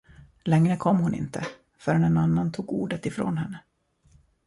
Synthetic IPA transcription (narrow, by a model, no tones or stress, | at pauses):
lɛŋɾəkʰɔmːhʊnɪ̰nt̪ʰə̰ | fœɾanɛnanːant̪ʰuːɡuːɖət̪ɪfɾo̰ːnɦɛnːə